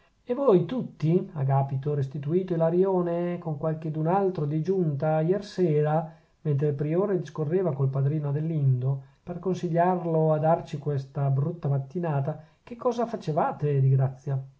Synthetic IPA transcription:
evojt̪ut̪ːia̰ɡaːpit̪oɾest̪it̪uiːt̪oilaɾjoːnekoŋkwalked̪unalt̪ɾod̪id͡ʒunt̪ajɛrseːɾa | ment̪̬ɾeilpɾioːɾed̪iskorːeːvakolpad̪ɾiːnod̪elːind̪operkonsiʎːarload̪art͡ʃikwest̪abɾut̪ːamat̪ːinaːt̪a | kekʰːɔːzafat͡ʃevaːt̪ed̪iɡɾat̪sːja

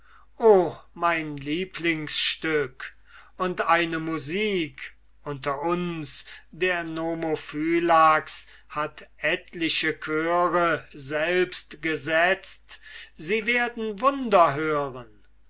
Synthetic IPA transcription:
ʔoːmaɪnliːpʰlɪŋsʃtʏk | ʔʊntaɪnəmuziːk | ʔʊntɐʔʊnsd̥eːɐnomofyːlaks | hatʔɛtʰlɪʃəkʰøːʁəzɛlpstɡ̥əzɛt͡stz̥iːveːɐdn̩vʊndɐɦøːʁən

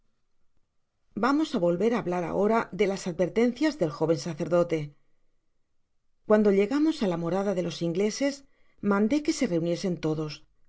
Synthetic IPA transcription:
bamo̞saβo̞lβe̞ɾaːβlaɾa̰ʔo̞ɾaðe̞lasaðbe̞ɾt̪e̞n̟θjazðe̞lxo̞β̞ensaθe̞ɾðo̞t̪e̞ | kwand̪o̞ʎe̞ɣamo̞salamo̞ɾaðaðe̞lo̞siŋɡle̞se̞s | mãnd̪e̞ke̞se̞re̞unje̞se̞nt̪o̞ðo̞s

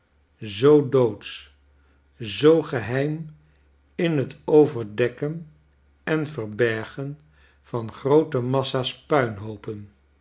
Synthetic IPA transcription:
zowdowts | zowχəɦɛjm | ɪnɦətʰowvəɹdɛkən | ɛnvəɹbɛɹχən | v̥ɑnχrowtəmɑsaːspœɥnɦowpən

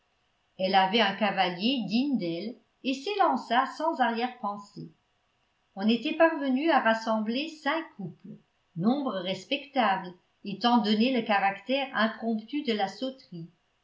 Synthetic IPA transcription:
ɛlavɛœ̃kavaljed̪iɲd̪ɛl | eselɑ̃sasɑ̃zaʁjɛʁpɑ̃se | ɔ̃net̪ɛpaʁvənyaʁasɑ̃blesɛ̃kʰuplə | nɔ̃bʁəʁɛspɛkt̪abl | et̪ɑ̃d̪ɔneləkaʁakt̪ɛʁɛ̃pχɔ̃pt̪yd̪əlasɔt̪χi

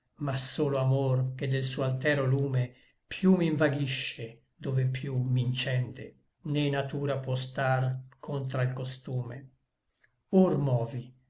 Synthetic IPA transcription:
masoːloamorked̪ːelsuːoalt̪ɛːɾoluːme | pʰjumiɱvaɡiʃːe | d̪ovepjumint͡ʃɛnd̪ḛ | nenat̪uːɾapwɔst̪arkʰont̪ɾailkost̪uːme | ormɔːvi

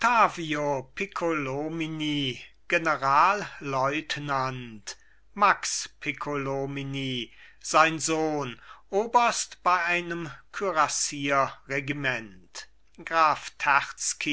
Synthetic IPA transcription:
tʰaːviopʰekʰolomini | ɡ̥enəʁaːlːɔʏtnant | makspʰekʰolominiː | z̥aɪnzoːnʔoːbɐstb̥aɪʔaɪnəmkʰyʁasiːɐʁeɡimɛnt | ɡ̥ʁaːftʰaʁt͡ski

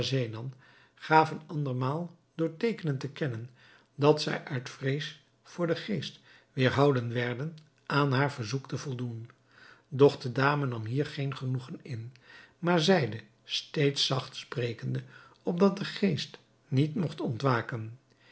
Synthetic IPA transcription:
zejnɑn | χaːvənɑndəɹmaːlˠ | dʊːɹtejkənəntəkɛnən | dɑtsɛ̰jʔœɥtfrejs | fʊːɹdəχejst | ʋɪːɹɦɑwdənʋɛɹdən | ʔaːnɦaːɹvəɹzuktəvɔlˠdun | dɔχdədaːmənɑmɦiːɹχejnχənuχənɪnmaːɹzɛjdə | stejtsɑχtsprejkəndə | ɔp̚dɑt̚dəχejst | nitmɔχtɔntʋaːkən

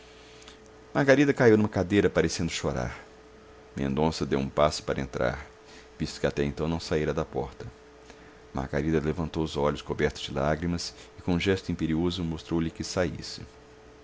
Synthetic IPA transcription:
maɾɡaɾid̪ɐkaiwnũmɐkad̪ejɾɐpaɾesẽnd̪ʊʃoɾa̰ɾ | mḛ̃nd̪õsɐd̪ewũpasʊ̥paɾɐẽnt̪ɾa̰ɾ | vist̪ʊ̥kɪat̪ɛẽnt̪ɐ̃w̃nɐ̃w̃saiɾɐd̪ɐpɔɾt̪ɐ | ma̰ɾɡa̰ɾid̪ɐlevɐ̃nt̪owʊzɔʎʊskobɛɾt̪ʊz̥d͡ʒɪlaɡɾimɐsɪkõũʒɛst̪ʊĩpeɾiozʊmost̪ɾowʎɪkɪsaḭsɪ̥

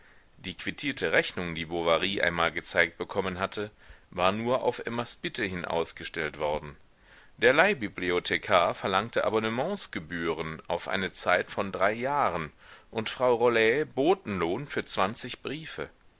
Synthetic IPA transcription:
d̥iːkv̥itʰiːɐtʰəʁɛçnʊŋdiːbovaʁiːʔa̰ɪnmaːlɡət͡saɪk̚t̚b̥əkʰɔmənɦatʰəvaːɐnuːɐʔa̰ʊfʔɛmaspɪtʰəhɪnʔa̰ʊsɡ̥əʃtɛltv̥ɔɐdn̩ | d̥eːɐlaɪbibliotʰekʰaɐfɛɐlaŋktəʔa̰bɔnəmɑ̃sɡ̥əbyːʁəna̰ʊfʔa̰ɪnət͡saɪtfɔndʁaɪjaːʁənʔʊntfʁ̥aʊʁolɛboːtn̩loːnfyːɐt͡sv̥ant͡sɪçb̥ʁiːfə̰

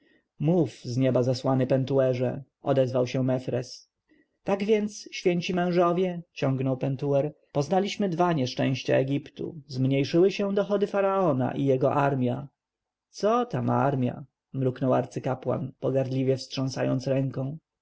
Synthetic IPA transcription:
mufzɲɛbazaswanɘpɛnt̪uɛʐɛ̰ | ɔd̪ɛzvawɕɛmɛfɾɛs | t̪aɡvʲjɛnt̪sɕfʲjɛɲt͡ɕimɛ̃w̃ʐɔvʲjɛt͡ɕɔ̃ŋɡnɔwpɛnt̪uɛɾ | pɔznalʲiɕmɘd̪vaɲɛʂt͡ʂɛ̰̃w̃ɕt͡ɕa̰ɛɡʲipt̪ṵzmɲejʂɘwɘɕɛd̪ɔxɔd̪ɘfaɾaɔna̰ʔijɛɡɔʔaɾmʲja | t̪sɔt̪ama̰ɾmʲja̰ | mɾuknɔwa̰ɾt̪sɘkapwa̰npɔɡaɾd̪lʲivʲjɛfstʂɔ̃ñsajɔ̰nt̪sɾɛŋkɔ̃w̃

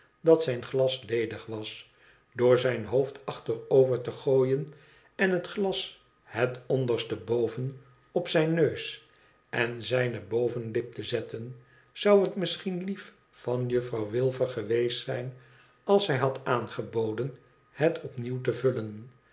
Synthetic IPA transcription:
dɑtsɛjnχlɑslejdəχʋɑs | dʊːɹzɛjnɦowftɑχtərowvəɹtəχoːjən | ɛnɦətχlɑs | hɛtɔndəɹstəbowvən | ɔpsɛjnːøɥs | ʔɛnzɛjnəbowvənlɪp̚təzɛtən | z̥ɑwɦətmɪsχinlif | fɑnjɵfrɑwʋɪlˠvəɹχəʋejstsɛjn | ɑlˠsɦɛjɦɑtaːnχəbowdən | hɛtʰɔpniwt̬əvɵlən

